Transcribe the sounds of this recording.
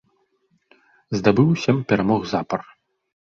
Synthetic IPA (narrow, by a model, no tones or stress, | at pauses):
zd̪abɨwsʲɐmpʲɛɾamɔɣzapɐr